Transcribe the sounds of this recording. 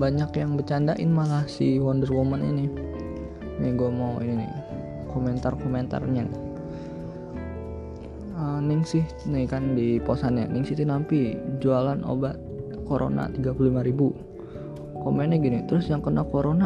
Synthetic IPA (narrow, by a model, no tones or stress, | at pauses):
baɲakjaŋbət͡ʃandaʔɪ̰nmalahsiwɔndərwomənḭni | niɡuɛmawḭninɪ̰ | komɛnt̪arkoment̪a̰rɲɛŋ | ənɪŋsɪh | nikandiposana̰niŋsit̪inampid͡ʒualano̰bat̪̚ | koɾʔo̰na̰t̪iɡapululimaɾibu | komɛnɛɡinit̪ɾʊsjaŋkənakoɾona